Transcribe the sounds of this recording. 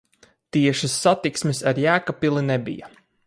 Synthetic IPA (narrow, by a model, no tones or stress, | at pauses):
t̪iɛʃisːat̪iksmisaɾjæːkapilˠinebḭja̰